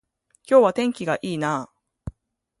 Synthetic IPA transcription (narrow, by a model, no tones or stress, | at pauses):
kʲo̞ːβat̪ẽ̞ŋkʲiɡaʔiːnaː